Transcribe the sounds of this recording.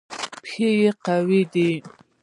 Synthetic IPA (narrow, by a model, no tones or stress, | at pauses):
pxejeqawid̪i